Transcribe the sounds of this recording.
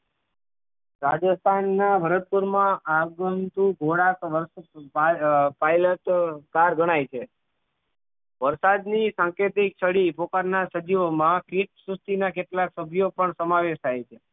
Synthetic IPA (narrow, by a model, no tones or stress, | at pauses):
ɾad͡ʒəst̪ʰanːabʱəɾət̪̚puɾmãʔaɡənt̪uɡʱoɽakʋəɾs | pajləʈkaɾɡəɽ̃ajt͡ʃʰe | ʋəɾsad̪nisãŋket̪ik̚t͡ʃʰəɽipokaɾnasəd͡ʒiʋomãkiʈsust̪inakeʈlaksəbʱjopəɳsəmaʋeʃt̪ʰajt͡ʃʰe